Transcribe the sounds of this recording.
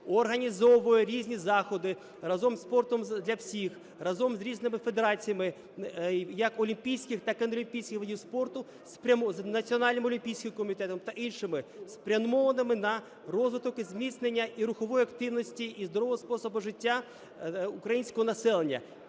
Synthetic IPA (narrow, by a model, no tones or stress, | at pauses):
ɔrɦɐnʲizɔʋʊjɛɾʲizʲnʲizɑxɔd̪ɪ | rɐzɔmspɔrt̪ɔmd̪lʲɐwsʲix | rɐzɔmzʲɾʲiznɪmɪfed̪eɾɑt͡sʲijɐmɪ | jɐkɔlʲimpʲijsʲkʲɪxt̪ɑkɪnɔlʲimʲpʲijsʲkʲɪxʋɐdʲiwspɔrt̪ʊ | spʲɐmznɐt͡sʲiɔnɑlʲnɪmɔlʲimʲpʲijsʲkʲɪmkɔmʲit̪ɛt̪ɔmt̪ɐʔinʃɪmɪspɾʲɐnmɔʋɐnɪmɪnɐ | rɔzʋɪt̪ɔkɪzʲmʲit̪snenʲːɐʔiɾʊxɔʋɔjʊɐkt̪ɪwnɔsʲtʲiʔːzd̪ɔɾɔʋɔɦɔspɔsɔbʊʐɪtʲːa | ukɾɐjinʲsʲkɔɦɔnɐsɛlˠenʲːɐ̰